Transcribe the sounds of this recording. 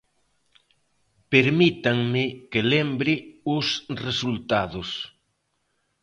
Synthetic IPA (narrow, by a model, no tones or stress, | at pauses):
peɾmit̪aŋmɪkɪlembɾɪʊsresult̪aðʊs